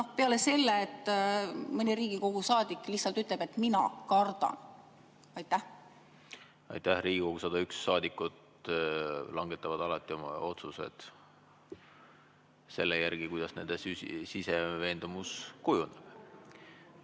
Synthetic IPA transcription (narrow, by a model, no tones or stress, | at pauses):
no̞hpe̞ɑle̞se̞lːeːt̪ˑː | mɤnʲiɾiːɡiko̞ɡ̥usɑːd̪̥ikːˑliçhsɑlt̪yt̪ˑlebe̞t̪minɑ̰kɑrd̪̥ɑ̰n | ɑjt̪ːˑæh | ɑ̰jt̪ːˑæhriːɡiko̞ɡ̥usɑd̪̥ɑyksːɑːd̪ikːˑut̪ | lɑŋɡ̥e̞t̪ːˑɑvɑd̪̥ɑlɑt̪ːˑio̞mɑ̰o̞t̪suse̞̰d̪̥ | se̞lːejærɡ̥ikujd̪ɑsne̞̰nd̪esysiseve̞ːnd̪̥umuskujuneb̥